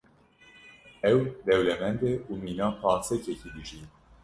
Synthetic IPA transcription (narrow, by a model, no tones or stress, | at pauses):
ɛwd̪ɛwlɛmɛnd̪ɛʔumiːnɑːpʰɑːnsɛcɛciːd̪ɨʒiː